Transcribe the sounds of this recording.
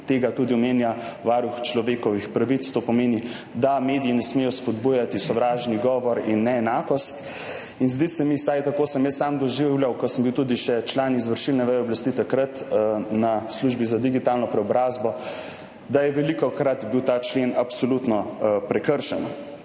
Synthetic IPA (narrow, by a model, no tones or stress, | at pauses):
t̪eːɡat̪ud̪iɔmeːnjaʋaːɾuxt͡ʃlɔʋeːkɔʋixpɾaʋit̪st̪oːpɔmeːni | d̪ameːd̪ijinɛsmeːjɔspɔd̪bujat̪isɔʋɾaːʒniɡɔːʋɔɾinːɛɛnaːkɔst̪ | inzd̪isɛmisajt̪akoːsəmjəsːamd̪ɔʒiwlʲjawkɔsəmbiwt̪ud̪iʃɛt͡ʃlaːnizʋəɾʃilnɛʋɛjɔblast̪it̪akɾat̪nasluʒbizad̪iɡit̪aːlnɔpɾɛɔbɾaːzbɔ | d̪ajɛʋɛlikɔkɾat̪biwt̪aːt͡ʃlenapsɔlut̪nɔpɾɛkəɾʃɛn